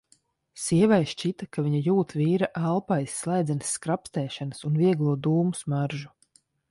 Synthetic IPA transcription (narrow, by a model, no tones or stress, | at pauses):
siɛvajʃt͡ʃit̪akaviɲajuːt̪viːɾaʔalˠpajsːlˠajd̪zɛnsːkɾapst̪ɛːʃanəsunviɛɡlˠuɔd̪uːmusmaɾʒu